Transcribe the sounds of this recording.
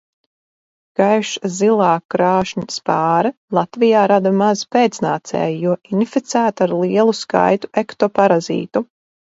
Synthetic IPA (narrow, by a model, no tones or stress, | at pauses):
ɡ̥ajʃzilˠɑːkːɾaːʃɲispaːɾɨlˠat̪vijaːɾad̪amazpeːt̪snaːt̪sɛ̰ːjijuɔinifit̪sæːt̪aɾlˠiɛlˠuska̰jt̪u̥ʔekt̪ɔpaɾazḭːt̪u